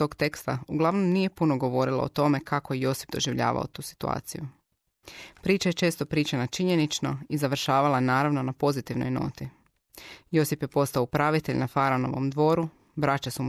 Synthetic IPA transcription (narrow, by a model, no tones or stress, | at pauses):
o̞ɡt̪e̞kst̪auɡlˠaʋno̞mnije̞punoɡo̞ʋo̞ɾilˠa̰ot̪o̞me̞kakojejo̞si̥pd̪o̞ʒiʋʎa̰ːʋa̰o̰t̪uːsi̥t̪ua̰ːt̪siju | pɾiːt͡ʃaje̞t͡ʃe̞ːst̪o̞pɾiːt͡ʃanat͡ʃiɲe̞nit͡ʃnoizaʋr̩ʃaːʋalˠanaːɾaʋno̞napo̞zit̪iʋno̞̰jno̞̰ːt̪i | jo̞sipje̞po̞st̪aoupɾaʋit̪e̞ʎnafaɾono̞̰ʋo̞̰md̪ʋo̞ːɾu | bɾat͡ʃasumu